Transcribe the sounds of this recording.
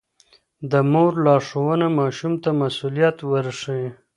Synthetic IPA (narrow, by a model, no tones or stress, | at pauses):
d̪əmoɾlɑʂowənamɑʃumt̪amasulijat̪wəɾʂi